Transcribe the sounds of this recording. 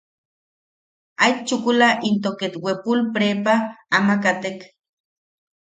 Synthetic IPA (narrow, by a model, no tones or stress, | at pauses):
ajt͡ʃukulaʔint̪oket̪wepulpɾepaːmakat̪ek